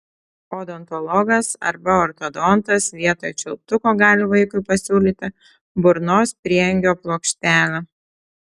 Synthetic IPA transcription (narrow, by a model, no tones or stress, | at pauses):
od̪ɔnt̪ɔlˠɔɡɐsɐ̰ɾbɐɔɾt̪ɔd̪ɔnt̪ɐsʋʲiɛt̪oːjɛt͡ʃʲɛlˠp̚t̪ʊkoːɡɑːlʲɪʋɐɪkʊɪpɐsʲuːlʲiːt̪ʲɪ | bʊɾnoːspʲɾʲiɛjɛŋʲɡʲoːplˠoːkʃʲt̪ʲæːlʲɛ